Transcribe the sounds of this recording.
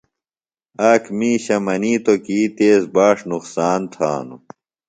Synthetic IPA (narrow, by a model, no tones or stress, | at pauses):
aːkʰmĩːɕɐmɐniːt̪okiːt̪eːzbaːʂnuqsaːnt̪ʰa̰ːnṵ